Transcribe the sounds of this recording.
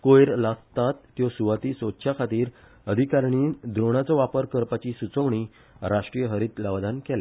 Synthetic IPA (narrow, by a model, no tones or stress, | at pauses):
kojɾlast̪at̪ːjɔsuʋat̪iːsotɕʰjakʰat̪iːɾ | əd̪ʱikaɾɳ̃iːd̪ɾoɽ̃at͡sɔʋapəɾkəɾpat͡ɕisut͡səʋɳi | ɾaʂʈɾijəɦəɾiːt̪laʋd̪ankɛlɛ